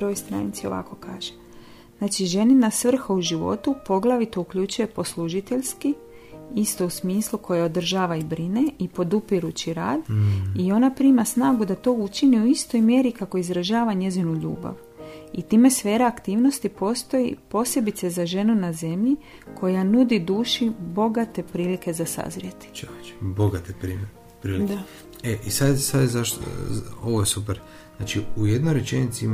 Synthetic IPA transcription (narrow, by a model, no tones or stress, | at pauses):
ɾojst̪ɾa̰nit̪sio̞̰ʋa̰ko̞kaːʒe | znaːt͡ʃiʒe̞ninasʋr̩xauʒiʋo̞̰t̪upo̞ɡlˠaʋit̪o̞ukʎut͡ʃuje̞po̞slˠuʒit̪e̞ʎski | ist̪o̞usmiːslˠukʰo̞jeo̞d̪r̩ʒaːʋaibɾine̞ipo̞d̪upiɾut͡ʃiɾa̰ːd̪io̞napɾiːmasnaːɡud̪at̪o̞ut͡ʃiniuist̪o̞jmje̞ɾikako̞izɾaʒaːʋaɲe̞zinuʎṵːba̰ʋ | it̪iːme̞sʋeːɾaakt̪iːʋno̞st̪ipo̞ːst̪o̞jḭpo̞sje̞bit̪sezaʒe̞nunaze̞mʎi | kʰo̞janud̪id̪uːʃibo̞ɡat̪e̞pɾiːlike̞zasa̰zɾjet̪i̥t͡ʃoit͡ʃbo̞ɡat̪epɾime | pɾiːlik | eʔisad̪sad̪zaʃt̪o̰oʋojesupeɾ | znat͡ʃiujed̪nojɾet͡ʃenit̪siim